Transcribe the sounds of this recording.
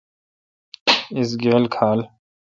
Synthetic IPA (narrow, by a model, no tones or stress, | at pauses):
ɪs̬ɡeːlkʰaːl